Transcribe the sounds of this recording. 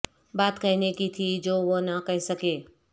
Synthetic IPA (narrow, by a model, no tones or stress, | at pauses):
baːt̪kɐɦinekit̪ʰid͡ʒoːʋonakɐɦisɐkeː